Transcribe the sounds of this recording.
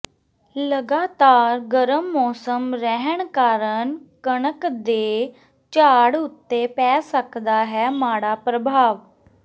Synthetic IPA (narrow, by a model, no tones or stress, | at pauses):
ləɡaːt̪aːɾɡəɾəmːɔːsəmɾɛɦəɳ̃kaːɾəɳkəɽəkd̪eː | t͡ʃaːɽʊt̪ːepɛːsəkd̪aɦɛmaːɽaːpɾəbʱaːʋ